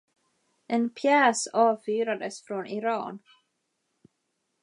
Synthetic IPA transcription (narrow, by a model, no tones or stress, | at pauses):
ʔɛnpʰjɛːsɑːvfyːɾad̪əsfɾɔnɪɾɑːn